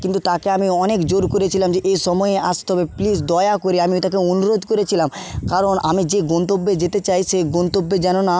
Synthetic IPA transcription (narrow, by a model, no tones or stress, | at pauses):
kint̪ut̪akeamiɔnekd͡ʑoɾkoɾet͡ɕʰilamd͡ʑeʔejʃɔmɔeeʔast̪eɦɔbeplis̬d̪ɔeakoɾiamiot̪akeonuɾod̪ʱkoɾet͡ɕʰilamkaɾonʔamid͡ʑeɡɔnt̪obːed͡ʑet̪et͡ɕajʃeɡɔnt̪obːed͡ʑanona